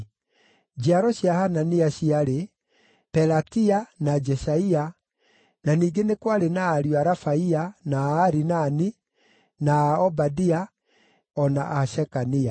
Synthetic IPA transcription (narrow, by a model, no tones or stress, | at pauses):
d͡ʒiaɾɔɕiahananiaɕiaɾe | pɛɾatianad͡ʒɛsaia | naniːɡenekwaɾenaːɾiɔaɾafaianaːɾinani | naɔbadia | ɔna̰ʔaʃɛkania